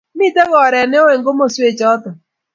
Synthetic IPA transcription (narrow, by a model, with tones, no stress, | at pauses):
ni˦˨te˦ɣɔ˨ɔ˨ɾɛ˨ne˦o˦e˨ŋɡo˦mo˦˨swe˦˨t͡ʃɔ˦tɔ˨